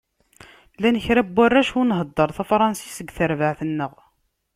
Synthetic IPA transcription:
lænəçɾæbwærːæʃunɦəd̪ˤːəɾˤθæfɾˤɑnsi̥səɡθəɾvəʕθənːəʁ

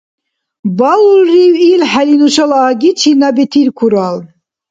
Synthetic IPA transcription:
balulːiwilħalinuʃalaːɡit͡ʃʰinabɛt̪ʰiɾkʰuɾal

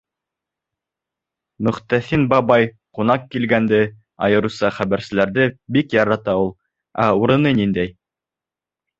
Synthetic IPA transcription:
mɵ̆χt̪æθinbɑbɑj | qun̪ɑqkːilɡænd̪ɘ | ɑ̰jɤ̆ɾusɑχæβæɾsɘ̆læɾðɘbikjɑɾɑt̪ɑulˠ | æuɾɤ̆nɤnind̪æj

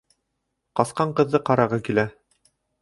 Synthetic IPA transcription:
qɑsqɑɴqɤ̆ðːɤqɑɾɑʁɤkilæ

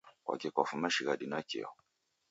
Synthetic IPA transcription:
kwa̰kɛkʷafumaʃiɣadinakḭɔ̰

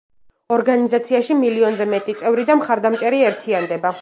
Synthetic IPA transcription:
ɔɾɡanizat̪sʰiaʃimiliɔnzɛmɛt̪ʼit̪sʼɛvɾid̪amχaɾd̪amt͡ʃʼɛɾiɛɾt̪ʰiand̪ɛba

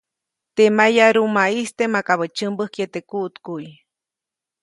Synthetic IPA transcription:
t̪emajaɾumaist̪emakaβət͡ʃɨmbəhkjet̪ekuʔt̪kuj

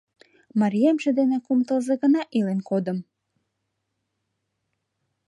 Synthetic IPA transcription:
mɑɾijemʒed̪enekumt̪əlˠzeɡə̆nɑʔilenkod̪ə̆m

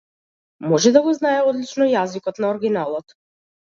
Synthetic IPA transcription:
mɔʒɛd̪aɡɔznaɛɔd̪lit͡ʃnɔjazikɔt̪naɔɾɡʲinalˠɔt̪

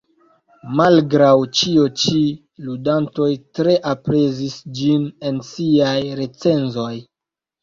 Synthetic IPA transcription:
malɡɾawt͡ʃiot͡ʃi | ludanto̞jtɾe̞ʔapɾe̞zisd͡ʒine̞nsiajɾe̞t͡se̞nzo̞j

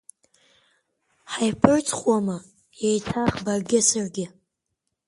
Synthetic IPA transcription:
ħajpʰɨrt͡sʰʼχwamɨ | jejtʰaχbarɡʲɪsarɡʲɪ

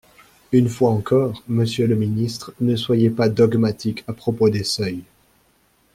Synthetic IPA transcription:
ynfwaɑ̃kʰɔːʁməsjøləminist̪χnəswajepad̪ɔɡmat̪ikʰapχɔpod̪esœj

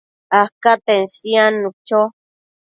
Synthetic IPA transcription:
akat̪ensianut͡ʃo

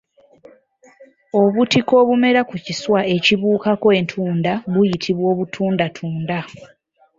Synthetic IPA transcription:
o̞βutiko̞ːβume̞ɾakuciswae̞ciβuːkakoe̞ːntʰuːndaβujitʰiβwo̞ːβutʰuːndatʰuːnda

